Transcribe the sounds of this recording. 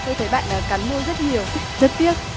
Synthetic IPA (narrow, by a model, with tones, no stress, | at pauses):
t̪ʰo˧jt̪ʰə˨˦jɓa̰ː˧˨nʔaː˨˩ka˨˦nmu˧jzə˦˥t̚ɲi˨˩əwzə˦˥t̚t̪i˦˥ət̚